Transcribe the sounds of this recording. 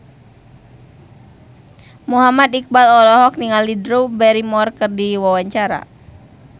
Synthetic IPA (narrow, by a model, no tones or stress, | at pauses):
muɦamat̪ik̚balɔlɔɦɔk̚niŋalidɾubɛɾimɔrkɨrdiwawaɲt͡ʃaɾa̰